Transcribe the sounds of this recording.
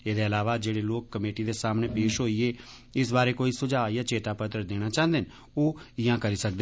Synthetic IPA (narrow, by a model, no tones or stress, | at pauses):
eːd̪eːəlaːʋaːd͡ʒeːɽeːloːkːəmeːʈiːd̪eːsaːmneːpeːʃɦoːieː | ɪsbaːɾeːkoːiːsʊd͡ʒaːjaːt͡ʃeːt̪aːpət̪ɾəd̪eːɽ̃aːt͡ʃãːnd̪en | oːɪjãːkəɾiːsək̚d̪e